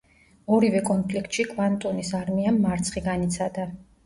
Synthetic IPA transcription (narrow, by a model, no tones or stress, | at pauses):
ɔɾivɛkʼɔnpʰlikʰt̪ʃikʼvant̪ʼɔnisaɾmiamːaɾt̪sʰχiɡanit̪sʰad̪a